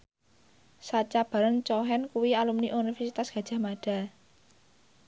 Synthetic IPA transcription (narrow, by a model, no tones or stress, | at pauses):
sat͡ʃab̥a̤ɾant͡ʃɔɦɛnkuwialumniʔunifɛrsit̪asɡ̥a̤̥ʒ̥a̤maɖ̥a̤